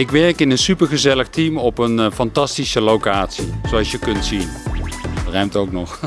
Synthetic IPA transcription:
ɪkʋɛɹkɪnənsypəɹχəzɛləχtimɔpənfɑntɑstisəlowkaːtsisoɑlˠsjəkɵntsin | rɛmtowknɔχ

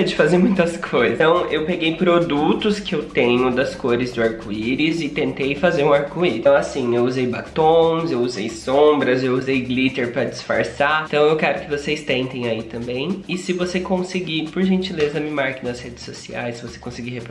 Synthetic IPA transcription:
d͡ʒɪfazeɾmũj̃t̪ɐskʰojzɐ̃w̃ewpeɡejpɾod̪ut̪ʊskɪewt̪ẽɲʊd̪ɐskoɾɪzd̪ʊaɾkuiɾɪzɪt̪ẽnt̪ejfazeɾũaɾkuiɾ̃w̃asĩewuzejbat̪õzewuzejsõbɾɐzewuzejɡlit̪eɾpɾɐd͡ʒɪsfaɾsat̪ɐ̃w̃ewkɛɾʊkɪvosejst̪ẽnt̪ẽj̃ait̪ɐ̃mbẽj̃ɪsɪvosekõsɪɡipʊɾʒẽnt͡ʃilezɐmĩmaɾkɪ̃nɐshed͡ʒɪ̥sosiajssɪvose̥kõsɪɡihepɾ

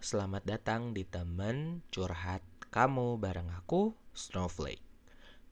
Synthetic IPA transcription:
səlamat̪̚dat̪aŋdit̪əmənt͡ʃurɦat̪̚kamubaɾaŋakusnoflḛk̚

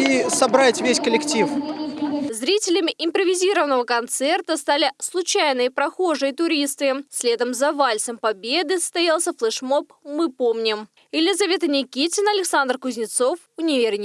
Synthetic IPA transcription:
isɐbɾatʲvʲesʲkəlʲɪktʲif | zɾʲitʲɪlʲɪmʲɪʔɪmpɾəvʲɪzʲiɾəvənəvəkɐnt̪sɛrt̪əst̪alʲɪslˠʊt͡ɕajnəjpɾɐxo̞ʐɨjt̪ʊɾʲist̪ɨsʲlʲe̞d̪əmzɐvalʲsəmpɐbʲe̞d̪ɨsə̥st̪ɐjalˠsʲəflˠɛʂmo̞pmɨpomnʲɪm | ɪlʲɪzɐvʲe̞t̪ənʲɪkʲitʲɪnɐlʲɪksand̪rkʊzʲnʲɪt̪so̞fʊnʲɪvʲeɾʲnʲɪ

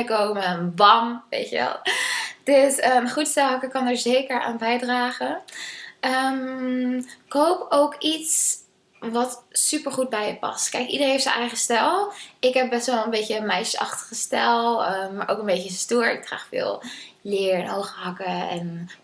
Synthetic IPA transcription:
əkowməbɑŋʋḛjtəʋɛ̰lˠd̥øsəmχutstɛlˠɦɑkəkɑnəɹzejkəɹa̰ːnbɛjdraːχə | ʔəm | kowpowkits | ʋɑtsypəɹχud̚bɛjəpɑ̰stkɛjkidəɾenɦejftsənʔɛjχəstɛlˠɪkɦɛp̚bɛstʋɛlˠənbecəmɛjʃəɑ̰χtə̥χəstɛlˠəmːaːɹʔo̰wkənbejcəstuːɹɪ̰k̚ra̰ːχfɪ̰ːlˠlɪːɹɪnowχəɦɑkəɛ̰n

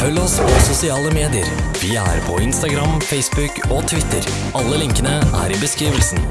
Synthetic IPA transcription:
fœlːɔspʰɔsʊsɪɑːləmeːd̪ɪəɾʋɪːæ̰ɾpʰɔɪnst̪ɑɡɾɑmfɛɪsbʉkɔt̪ʰʋɪt̪ʰːəɾ | ɑlːəlɪŋkənəæ̰ɾɪbəskɾiːʋəlsn

